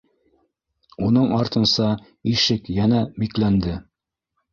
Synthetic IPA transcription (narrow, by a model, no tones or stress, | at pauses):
unɤɴɑɾt̪ɤ̆nsɑ | iʃɘkjænæmiklænd̪ɘ